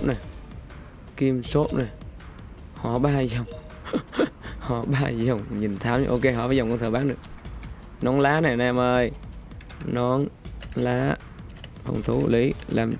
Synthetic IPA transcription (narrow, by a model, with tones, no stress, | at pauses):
p̚na˨˩j | ki˧mso˦˥p̚naː˨˩ | hɔ˧˩ɓaː˧zə˨˩wŋ͡m | hɔ̰˧˩ɓaː˧zə˨˩wŋ͡mɲi˨˩nt̪ʰaː˨˦ma˧˦ʔo˧ke˧ɦɔ̰˧˩vaː˧˦zɔ˨˩wŋ͡mkɔ˧ŋ͡mt̪ʰɨː˧˩ɓaː˨˦nɗɨ˨˩ək̚ | nɔ˨˦nlaː˨˦naː˨˩naː˨˩mʔəː˧˩j | nɔ˨˦nlaː˨˦ | hʰə̰˧wŋ͡mt̪ʰu˨˦li˨˦la̰ː˨˩m